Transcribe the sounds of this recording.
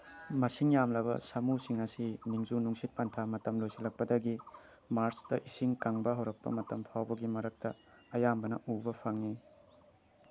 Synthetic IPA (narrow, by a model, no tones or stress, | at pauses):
mɐsiŋjamlɐbɐ̰sɐmusiŋɐsiniŋzunuŋsit̚pɐntʰamɐtɐmlojsilɐk̚pɐdɐɡi | maɾsdɐʔisiŋkaŋbɐɦɐwɾɐk̚pɐ̰mɐtɐmpʰawbɐɡimɐɾɐk̚tɐ | ɐjambɐnɐʔubɐpʰɐŋni